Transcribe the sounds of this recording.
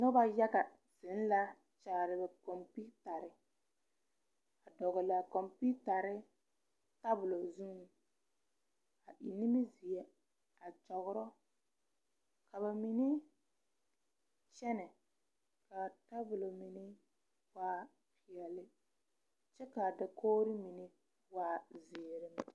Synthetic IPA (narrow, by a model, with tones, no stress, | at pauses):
nɔ˦ba˦ja˦ɣa˨ | z̥ɪ˨˦n˦la˦ | t͡ʃaː˨ɾɪ˨bɛ˨kɔ˨mpi˦ta˨ɾɪ˦ | a˨dɔ˨ɣɔ˨la˨kɔ˨mpi˦ta˨ɾɪ˦ | ta˦bʊ˨lo˨zũ˦˨ | a˨ʔi˨ni˦mɪ˦zi˨ɛ˦ | a˨d͡ʒɔ˨ɣʊ˦ɾɔ˦ | ka˨ba˨mi˨nɪ˦ | t͡ʃɛ˦nɛ˨ | ka˨ta˦bʊ˨lo˨mi˨nɪ˦ | waː˦ | pi˨ɛ˨lɪ˦ | t͡ʃɛ˦ka˨dɪ˨kʰoː˦ɾi˦mi˨nɪ˦ | waː˦zi˨e˨ɾɪ˨m˦˨